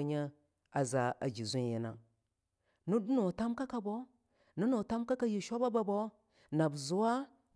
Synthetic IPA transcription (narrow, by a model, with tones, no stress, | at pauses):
ɲa˦ | a˨za˨a˨d͡ʒi˨zu˦n˦ji˦na˨ | nu˦du˦no˨ta˦mka˦ka˨bo˦ | nu˦no˨ta˦mka˦ka˦ji˨ʃo˦ba˦ba˨bo˦ | na˨bzu˦wa˦